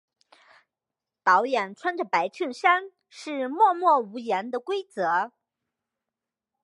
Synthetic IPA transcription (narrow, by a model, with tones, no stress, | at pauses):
t̪ɑ˧˥ʊjɛ˨˩nʈ͡ʂʰwa˥nʈ͡ʂə˨˩pa˧˥ɪʈ͡ʂʰə˥˩nʂa˥n | ʂɻ̩˥˧mwɔ˥˧mwɔ˥˩u˧˥jɛ˧˥nd̪ə˨kwe˥ɪt͡sɤ˧˥